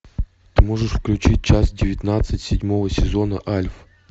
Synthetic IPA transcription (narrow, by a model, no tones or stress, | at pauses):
t̪ɨmoʐɨʂfklʲʉt͡ɕit̚ʲt͡ɕasdʲɪvʲɪt̪nat̪sɨtʲsʲɪdʲmo̞vəsʲɪzonəʔalʲf